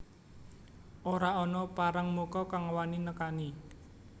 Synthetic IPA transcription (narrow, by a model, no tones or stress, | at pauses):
ʔoɾaɔnɔpaɾəŋmukɔkaŋəwaninəkani